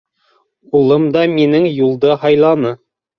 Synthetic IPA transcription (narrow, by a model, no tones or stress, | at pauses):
ulˠɤmd̪ɑminɘŋjulˠd̪ɤhɑjlˠɑnɤ